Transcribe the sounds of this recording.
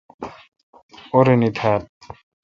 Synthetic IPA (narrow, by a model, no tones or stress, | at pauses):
oɾenit̪ʰaːt̪̚